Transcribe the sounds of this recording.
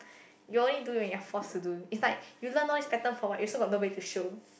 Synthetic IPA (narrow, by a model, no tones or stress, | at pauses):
juõnlidũwɛ̃njafɔstuduitslaɪkjulə̃nɔlispɛtə̃nfɔwaʔjusoɡɔt̚nobədituʃo